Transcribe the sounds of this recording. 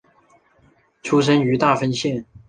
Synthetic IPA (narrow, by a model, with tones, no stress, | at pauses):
ʈ͡ʂʰu˥ʂ̬ə˥ny˧˥t̪a˥˩fə˥nɕjɛ˥˨n